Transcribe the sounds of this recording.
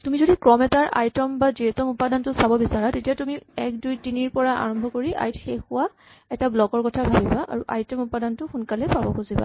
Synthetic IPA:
tumizodikɹɔmɛtaɹʔa̰jtɔmbaziɛtɔmupadantʊsabɔbisaɹatetijatumiɛk̚dujtiniɹpɔɹaʔa̰ɹɔmbʱɔkoɹiʔa̰jtʰxexʊwa | ɛtablɔkɔɹkɔtʰabʱabibaʔa̰ɹuʔa̰jtɔmupadantʊxunkalɛpabɔkuziba̰

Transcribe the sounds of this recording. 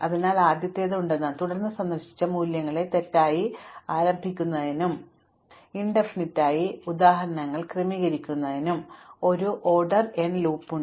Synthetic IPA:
ɐðinaːlaːd̪jɐt̪ːe̞ːðeuɳɖenːaːnt̪uɽɐrnːɨsɐnd̪ɐrɕi̥t͡ɕːɐmuːljɐŋːɐɭe̞t̪e̞tːaːjiaːɾɐmbʱikʲːunːɐðinum | iɳɖɐfinitːaːjiud̪aːɦɐɾɐnɐŋːɐɭkremiːɣɐɾikʲːunːɐðinumo̞ɾuʔo̞ːrɖɐrenluːpːuɳ

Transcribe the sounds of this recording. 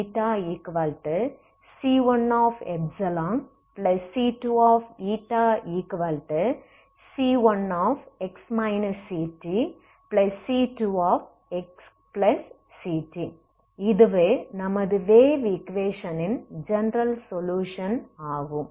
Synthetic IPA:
ʈːaːiːkʋɐlʈɐ | siːʋɐnaːfɛbsɐlãːŋ | plɐsːiːʈuːaːfiːʈːaːiːkʋɐlʈɐ | siːʋɐnaːfɛksmɐɪnɐsiːʈːi | plɐsːiːʈuaːf | ɛks | plɐsː | iːʈːi | ɪðɯʋeːnɐmɐðɯʋeːʋikʋeːʂɐnɪnd͡ʒɛnɾɐlsɔljuːʂɐnaːɣɯ̃m

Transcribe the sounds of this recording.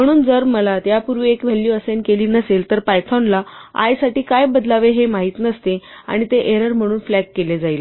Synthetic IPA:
m̤əɽ̃uːnd͡zəɾməlat̪japuɾʋiekʋ̤elːjuəsenkeliːnəselt̪əɾpajt̪ʰanlaa̰jsaʈiːkajbəd̪laʋeɦemaɦiːt̪nəst̪e | a̰ɽ̃it̪eʔeɾəɾm̤əɽ̃uːnflækːeled͡zail

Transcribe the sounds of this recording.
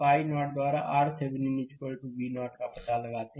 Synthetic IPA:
paːinɔːʈd̪waːɾaʔaːɾt̪ʰebnimɪd͡ʒkolʈubinɔːʈkapɐt̪aləɡaːt̪eɦ

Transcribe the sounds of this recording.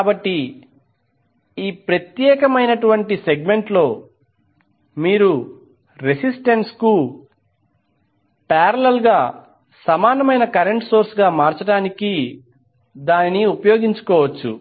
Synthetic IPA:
kaːbɐʈːi | iːpɾɐt̪jɛːkɐmɐjnɐʈuʋɐɳʈise̞ɡme̞ɳʈlo̞ː | miːɾu | ɾesisʈɐnsku | pɛːɾɐlɐlɡaː | sɐmaːnɐmɐjnɐkɐɾeɳʈso̞ːɾsɡaːmaːɾt͡ʃɐɽaːniki | d̪aːnnːiupɐjoːɡiɲt͡ʃu̥kɔːʋɐt͡ʃːṵ

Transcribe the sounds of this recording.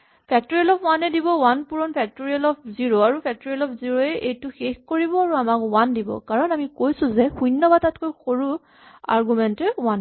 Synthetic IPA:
pʰɛk̚tɔɹiɛlɔpʰwanɛdibɔwanpuɹɔnpʰɛk̚toɹialɔp̚ʰziɹoaɹupʰɛk̚tɔɹiɛlɔpʰziɹoɛʔejtʊxexkoɹibɔaɹuamakwandibɔ̰kaɹɔnamikojsʊ̃zɛxujnːɔbatatkojxoɹu | a̰ɹɡumɛntɛwan

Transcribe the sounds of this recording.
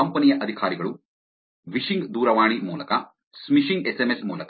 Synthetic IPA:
ɐmpɐnijɐʔɐd̪ʱikʰaːɾiɡɐɭu | ʋiʂiŋɡd̪uːɾɐʋaːɳ̃imuːlɐkɐ | smiʃiŋɡesemesmṵːlɐk

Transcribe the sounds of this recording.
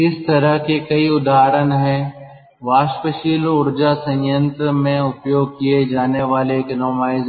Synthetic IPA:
ɪst̪ɐɾəɦkekɐiʊd̪aːɾənɦɛ̃ | ʋaːʃpəʃiːlʊɾd͡ʒasɐ̃jjə̃nt̪ɾəmẽʊpjoːɡ̚kied͡ʒaːneʋaːleknoːmaːɪz

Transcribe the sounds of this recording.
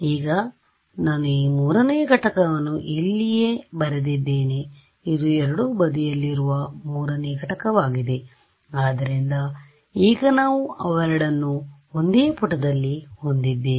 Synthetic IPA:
iːɡɐ | naːnuiːmuːɾɐnejɐɡɐʈɐkɐʋɐnːuʔilːijeːbɐɾed̪id̪ːe̞ːne | id̪uɛɾɐɽubɐd̪ijɐlːiɾuʋɐmuːɾɐnejɐɡʱɐʈɐkɐʋaːɡid̪e̞ | aːd̪ɐɾind̪ɐ | iːɡɐnaːʋuɐʋɐɾɐɽɐnːu | ond̪eːɐpuʈːɐd̪ɐlːiho̞nd̪id̪ːe

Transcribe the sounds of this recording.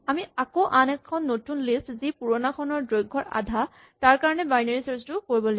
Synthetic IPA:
amiakoʔanɛkʰːɔnːotunlistzipuɹɔnakʰɔnɔɹdɹojɡʱːɔɹa̰dʱa | taɹkaɹɔnɛbajnaɹisɔstʊkoɹibɔle

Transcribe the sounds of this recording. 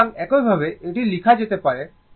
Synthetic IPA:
ŋɛkojbʱabeeʈilikʰad͡ʑet̪epaɾe

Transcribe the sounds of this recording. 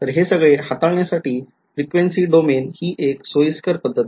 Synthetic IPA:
t̪əɾɦesəɡɭeɦat̪aɭɳjasaʈʰiː | fɾikʋensiːɖomenhiːʔeksojəskəɾpəd̪ʱːət̪

